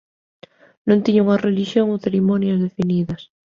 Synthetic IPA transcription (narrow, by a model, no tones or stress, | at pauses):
nõnt̪iɲoŋareliʃjoŋoθeɾimonjɐzðefiniðɐs